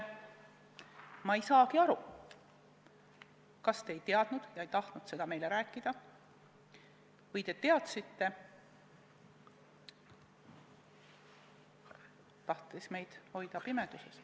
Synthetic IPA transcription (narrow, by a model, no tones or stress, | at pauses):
mɑejsɑːkiɑɾu | kɑst̪e̞ːjt̪eɑd̪̥nud̪̥jɑejt̪ɑht̪nud̪̥se̞d̪ɑme̞jle̞ɾæːkːˑid̪̥ɑ | vɯjt̪e̞t̪e̞ɑt̪sit̪ːe̞ | t̪ɑht̪ˑisme̞jd̪̥ho̞jd̪̥ɑpime̞d̪̥uses